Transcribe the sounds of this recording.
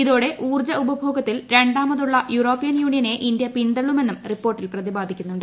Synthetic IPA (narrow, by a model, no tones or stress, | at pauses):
iðoːɽe̞ʔuːrd͡ʑɐubɐbʱo̞ːɡɐt̪ːilɾe̞ɳɖaːmɐðuɭːɐjuɾo̞ːpːijɐnjuːɳijɐne̞ʔind̪jɐpind̪ɐɭːume̞nːumripːo̞ːrʈːilprɐðibaːd̪ʱikʲːunːuɳɖɨ